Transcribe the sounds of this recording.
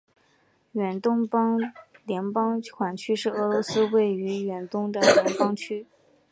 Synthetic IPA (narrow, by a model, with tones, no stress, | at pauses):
ɥɛ˨˩nt̪ʊ˥ŋpɑ˥ŋljɛ˧˥npɑ˥ŋkʰwa˨˩nt͡ɕʰy˥ʂɻ̩˥˩ɤ˧˥lwɔ˧˥sɹ̩˥we˥˩ɪy˧˥ɥɛ˨˩nt̪ʊ˥ŋd̪ə˨lljɛ˧˥npɑ˥ŋt͡ɕʰy˥